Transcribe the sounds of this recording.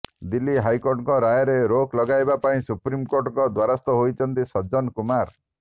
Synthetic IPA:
d̪ilːiɦajkoɾʈŋkɔɾajɔɾeɾoklɔɡajbapaĩsupɾimkoɾʈɔkɔd̪waɾast̪ɔɦojt͡ʃʰɔnt̪isɔd͡ʒɔnkumaɾ

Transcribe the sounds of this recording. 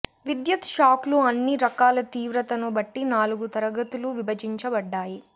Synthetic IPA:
ʋid̪jɐt̪ʃaːkluɐnːiɾɐkaːlɐt̪iːʋɾɐt̪ɐnubɐʈːinaːluɡut̪ɐɾɐɡɐt̪uluʋibɐd͡ʒiɲt͡ʃɐbɐɖːaːji

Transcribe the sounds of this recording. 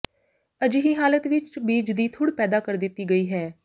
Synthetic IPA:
əd͡ʒɦiːɦaːlət̪ʋɪt͡ʃbiːd͡ʒd̪iːt̪ʰʊɽpɛːd̪aːkəɾd̪ɪt̪ːiːɡəiːɦɛː

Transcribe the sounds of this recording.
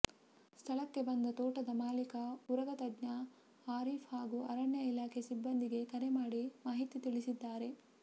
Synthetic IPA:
st̪ʰɐɭɐkːe̞bɐnd̪ɐt̪oːʈɐd̪ɐmaːlikɐuɾɐɡɐt̪ɐdɲɐ | aːɾiːfhaːɡuɐɾɐɳjɐilaːkʰe̞sibːɐnd̪iɡe̞kɐɾe̞maːɽimaːɦit̪it̪iɭisid̪ːaːɾe̞

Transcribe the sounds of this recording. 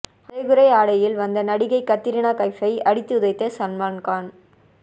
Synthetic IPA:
ɐɐɪɣɯɾɐɪaːɽɐjɪlʋɐnd̪ɐnɐɽɪɣɐɪkːɐt̪ːɪɾɪɳaːkɐɪfɐɪɐɽɪt̪ːɯʊðɐɪt̪ːɐsɐnmaːnkaːn

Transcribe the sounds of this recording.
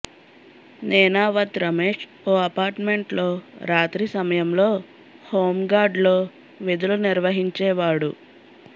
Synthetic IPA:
nɛːnaːʋɐt̪ɾɐmeːʂ | oːɐpaːɾʈme̞ɳʈlo̞ːɾaːt̪ɾisɐmɐjɐmloː | ho̞ːmɡaːɖlo̞ː | ʋid̪uluniɾʋɐɦiɲt͡ʃɛːʋaːɽu

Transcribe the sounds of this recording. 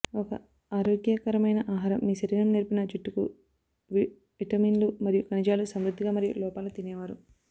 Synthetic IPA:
ɔkɐ̰ | aːɾoːɡjakɐɾɐmɐjnɐʔaːɦaːɾɐmːiːsɐɾinɐmniɾpinɐd͡ʒuʈːuku | ʋi | ʋiʈɐmiːnlumɐɾijukɐnid͡ʒaːlusɐmɾud̪ʱːiɡaːmɐɾijṵlɔːpaːlut̪inɛːʋaːɾu

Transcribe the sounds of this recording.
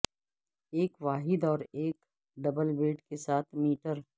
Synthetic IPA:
eːkʋaːɦɪd̪ɔːɾeːk | ɖɐbəlbeːʈkesaːt̪ʰmiːʈəɾ

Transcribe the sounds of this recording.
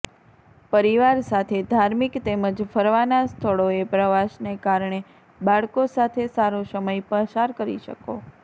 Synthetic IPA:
pəɾiʋaɾsat̪ʰed̪ʱaɾmikt̪eməd͡ʒfəɾʋanast̪ʰəɭoepɾəʋaʃnekaɾɳ̃e | baɭkosat̪ʰesaɾosəməjpəʃaɾkəɾḭʃə̰ko

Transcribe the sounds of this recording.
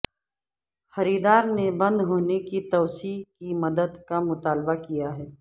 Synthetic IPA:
xɐɾiːd̪aːɾnebɐ̃nd̪ɦoːnekit̪ɔːsiːkimɐd̪əd̪kamʊt̪aːlbakijaɦɛː

